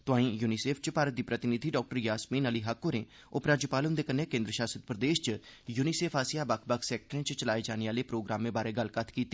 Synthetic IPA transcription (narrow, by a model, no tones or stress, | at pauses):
t̪ʊãːĩːjuːniseːpʰt͡ʃpaːɾət̪̚d̪iːpɾət̪ɪnɪd̪ʱiːɖɔːk̚ʈəɾjaːsmĩːnəliːɦakːoːɾẽː | ʊpɾaːd͡ʒəpaːlʊ̃nd̪eːkənːeːkẽːnd̪ɾəʃaːsət̪̚pɾəd̪eːʃt͡ʃjuːniseːpʰaːsɪjaːbəkʰbəkʰsɛːk̚ʈɾẽːt͡ʃt͡ʃəlaːed͡ʒaːniaːleːpɾoːɡɾaːmːẽːbaːɾeːɡəlkət̪ʰkiːt̪ːe